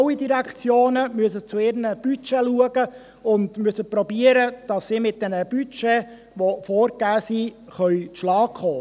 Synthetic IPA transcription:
widiɾækχt͡sjoːnəmyəs̬ət͡sʊɪɾnəb̥yt͡ʃɛluəɡə | ʊndmyəsəpɾɔbiːəɾəd̥ɑsːiːmɪt̚d̥ɛnəb̥yt͡ʃɛ | ʋofɔːɾɡæːsi | χœʏtʃlɑːkχɔː

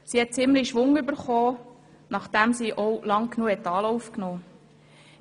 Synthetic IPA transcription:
siːhɛt̚t͡sɪmliʃʋʊŋybəɾχoː | nɑχd̥æmsiːʔɔwlɑŋknuəhɛtːɑːlɔufknoː

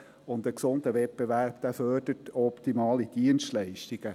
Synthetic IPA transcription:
ʊndəksʊndəʋɛtbeʋæɾpd̥æfœrdətɔpt̪imɑːlid̥iənstlɛɪʃtiɡ̥ə

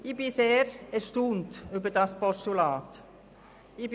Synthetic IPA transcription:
ɪbɪseːɾɛɾʃtuːntybədɑspɔʃtulɑːt | ɪb

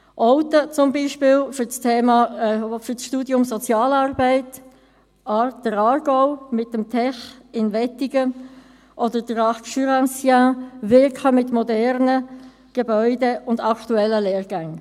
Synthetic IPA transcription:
ʔɔʊt̪ət͡sʊmbiːʃpɪːlfʏt͡stʰɛːmɑfʏsʃtuːdjʊmsɔt͡sjɑːlɑːrbɛɪt | ɑd̥əɾɑːɾɡ̥ɔʊmɪtːəmtʰɛχɪnvɛtiɡ̥ə | ʔɔdəd̥əɾɑʃyɾɑsjãvɪrkʰəmɪtmɔdɛʁnə | ɡ̥ebœʏdeʔʊndɑktuɛlːəlɛːɾɡ̥aŋ

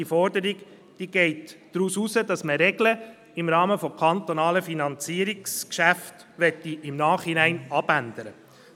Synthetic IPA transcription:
ifɔɾdəɾiɡ | d̥iːɡ̥ɛɪtː | ɾususəd̥ɑsməɾɛɡlə | ɪmɾɑːməfɔkʰɑnt̪ɔnɑːləfinɑnt͡siːəɾikskʃæft | ʋɛt̪ːiʔɪmnɑːχhinæɪnɑbænd̥̪əɾə

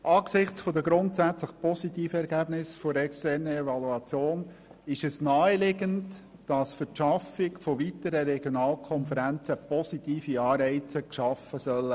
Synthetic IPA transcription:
ʔɑːksɪχt͡sfod̪əɡɾʊntsæt͡sləχpɔsitiːfəɛɾɡæb̥nɪsfoɾɛkstɛːrnəɛvɑluɑt͡sjoːn | ɪʃɛsnaːəlɪɡənt | d̥ɑsfətʃɑfɪkfovitəɾəɾɛɡ̥jonɑːlkʰɔnfəɾænt͡səpɔsitiːfiɑːɾɛɪt͡səkʃɑfəsœlə

